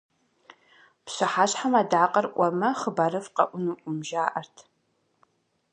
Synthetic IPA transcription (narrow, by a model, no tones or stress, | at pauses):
pɕɨħaːɕħamaːdaːqɐrʔʷɔmɐχəbaɾɨfqɐ̰ʔʷʊnuːʔʷʼʊmʒaːʔɐrtʰ